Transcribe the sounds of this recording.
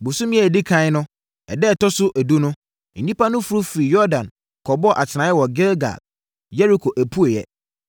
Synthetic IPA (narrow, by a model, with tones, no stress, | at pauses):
bu˨su˦mĩ˦ɛ˨di˦kʰã˦nʊ̃˦ | ɛ̰˨dɛ˦˨tɔ˦sʊ˦ʔæ˨du˦nʊ̃˦ | n̩˨ni˦pa˦nʊ̃˦fu˦ɾu˦fi˨ɾi˨jɔ˦dã˨n | kʰɔ˨bɔ˦ʔa˨tʰɪ˨nã˨˦ɛ˦wɔ˨ɡɛ˦lɡa̰˨ | jɛ˦ɾi˦kʰo˨ʔæ˨pʰu˦e˨jɛ̰˨